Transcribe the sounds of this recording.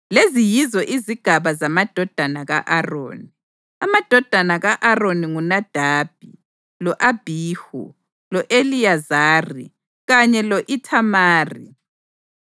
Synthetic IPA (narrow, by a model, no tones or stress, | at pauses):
lezijizɔʔiziɡ̥ʱaβazamad̥ʱɔd̥ʱanaɣa̰ʔaro̰ːni | amad̥ʱɔd̥ʱanaɣaʔaroniŋunad̥ʱaːb̥̚ʱi | lɔʔab̥ʱiːhṵ | lɔʔelijazaːrḭ | ɣaɲɛlɔʔitʰamaːrḭ